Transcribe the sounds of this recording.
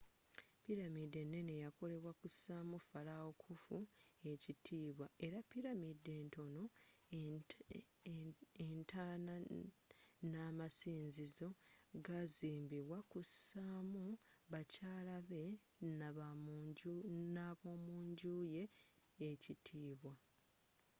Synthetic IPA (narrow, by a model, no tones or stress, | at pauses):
piɾamide̞nːe̞nejako̞le̞βwakusaːmufalaokʰufue̞citʰiːβwae̞ɾapːiɾamide̞ːnto̞no̞ | entʰana | namasiːnzizo̞ɡaziːmbiβwakusaːmuβacaːlaβe̞n | naβo̞ːmuːɲɟuːje̞ː | citʰiːβwa